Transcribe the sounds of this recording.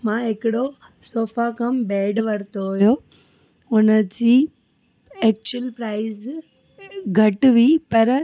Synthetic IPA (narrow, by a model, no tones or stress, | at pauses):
mãːɦɪkɪɽo | soːfakɐmbɛːɖʋɐɾt̪oɦʊɦjijo | ʊnə̆d͡ʑiː | ɛːk̚t͡ɕʊəlpɾaːɪz | ɡʱɐʈ̆ʋipɐɾ